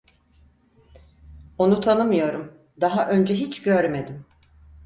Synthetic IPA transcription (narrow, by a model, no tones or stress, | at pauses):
o̞nut̪ʰanɯmɯjo̞ɾum | d̪aɦaʔø̞nd͡ʒɛɦit͡ʃɟøɾme̞d̪im